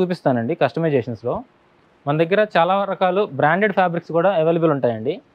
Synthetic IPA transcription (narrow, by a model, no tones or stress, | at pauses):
uːpist̪aːnɐɳɖikɐʂʈɐmejd͡ʒeːʃɐnslo̞ː | mɐnɐd̪ɐɡːɐɾɐt͡ʃaːlaːɾɐkaːlubɾaːɳɖeɖpʰaːbɾikskuːɽaːeʋeːljubuluɳʈaːjɐɳɖi